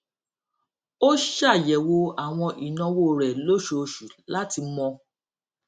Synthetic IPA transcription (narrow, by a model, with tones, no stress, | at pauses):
o˦ʃa˦˨jɛ˨wo˧a˨w̃ɔ̃˧ʔi˨nɔ̃˧wo˦˨ɾɛ˨lo˦ʃo˧ʃu˨la˦ti˧˦mɔ̃˧